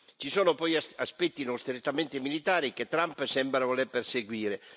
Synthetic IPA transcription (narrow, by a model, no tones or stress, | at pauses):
t͡ʃisoːnopɔjaspɛt̪ːinost̪ɾit̪ːamɛnt̪imilit̪aːɾik̟et̪ːɾampsɛmbɾavoleperseɡwiːɾe